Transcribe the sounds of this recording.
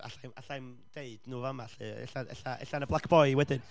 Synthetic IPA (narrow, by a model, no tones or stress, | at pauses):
a̰ɬajmaɬajm | d̥eɨdnuːvamaɬɨɛ̰ɬaɛ̰ɬaʔɛ̰ɬanəblˠakʰb̥ɔjwɛdɪn